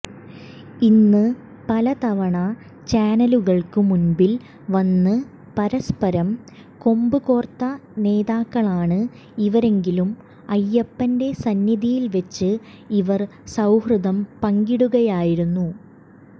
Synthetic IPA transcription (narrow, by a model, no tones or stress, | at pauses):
inːɨ | pɐlɐt̪ɐʋɐɳɐ | t͡ɕaːnɐluɣɐɭkɨmunbil | ʋɐnːɨ | pɐɾɐspɐɾɐm | ko̞mbɨɣo̞ːrt̪ːɐne̞ːðaːkːɐɭaːɳɨ | iʋɐɾe̞ŋɡilum | ɐjːɐpːɐnde̞sɐnjiðijilʋɐt͡ɕːɨ | iʋɐr | sɐwhrɨðɐmpɐŋɡiɽuɣɐjaːjiɾunːu